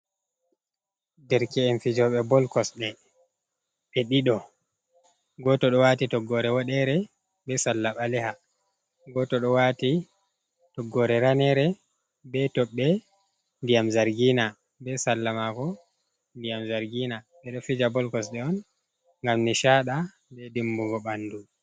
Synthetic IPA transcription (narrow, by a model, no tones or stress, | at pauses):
dɛɾkɛːnfid͡ʒɔɓɛbɔlkɔsɗɛ | ɓɛɗiɗɔ | ɡɔtɔɗɔwatitɔɡːɔɾɛwaɗɛɾɛ | bɛsalːaɓalɛha | ɡɔtɔɗɔwati | tɔɡːɔɾɛɾanɛɾɛ | bɛtɔɓːɛ | ndijamzaɾɡiːna | bɛsalːamakɔ | ndijamzaɾɡina | ɓɛɗɔfid͡ʒabɔlkɔsɗɛɔn | ŋɡamniʃaɗa | bɛdimbuɡɔɓandu